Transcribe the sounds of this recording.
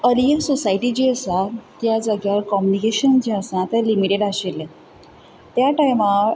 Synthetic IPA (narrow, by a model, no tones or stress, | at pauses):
əliəsɔsajʈid͡ʑiəsat̪jad͡zəɡjalkɔmjunikeɕənd͡ʑiəsãt̪alimiʈeɖaɕelːe | t̪jaʈajma